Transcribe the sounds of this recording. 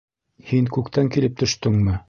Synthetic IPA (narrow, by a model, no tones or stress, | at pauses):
hiŋkʉkt̪æŋkilɘp̚t̪ɵ̆ʃt̪ɵŋmɘ